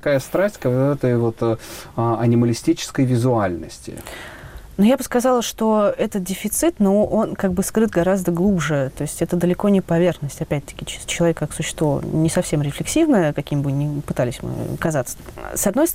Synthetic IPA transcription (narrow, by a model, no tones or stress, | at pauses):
kajəst̪ɾasʲtʲkt̪ɛt̪əjvo̞t̪ | ɐnʲɪməlʲɪsʲtʲit͡ɕɪ̥skəjvʲɪzʊalʲnəsʲtʲɪ̰ | nujabɨskɐzɑlˠəʂt̪o̞ɛt̪ət̪̚dʲɪfʲɪt̪sɨt̪noʔonkaɡbɨskɾɨt̪ɡɐɾazd̪əɡlˠubʐɨt̪o̞ɪsʲtʲɛt̪əd̪əlʲɪko̞nʲɪpɐvʲe̞rxnəsʲtʲɐpʲæt̚ʲt̪ə̥kʲɪt͡ɕt͡ɕɪlˠɐvʲekːaksʊɕːɪ̥st̪vonʲɪsɐfsʲe̞mɾʲɪflʲɪksʲivnəjəkɐkʲimʲɪbɨnʲɪpɨt̪alʲɪsʲmɨ̰kɐzat̪sə̥sɐd̪no̞jst